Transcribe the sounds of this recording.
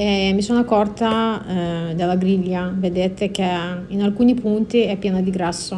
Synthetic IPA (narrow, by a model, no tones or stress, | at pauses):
emisɔnakːɔrt̪a | d̪alːaɡɾiʎːaved̪eːt̪ek̟einalkuːnipunt̪iɛpːjɛnad̪iɡɾasːo